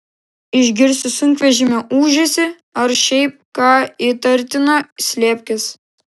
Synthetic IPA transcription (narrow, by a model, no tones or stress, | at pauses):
ɪʒʲɡʲɪɾʲsʲʊsʊŋʲkʲʋʲɛʒʲɪmʲɛʔuːʒʲesʲɪ | ɐɾʃʲɛɪp̚kɑːit̪ɐɾʲˑt̪ʲɪnosʲlʲeːpʲkʲɪs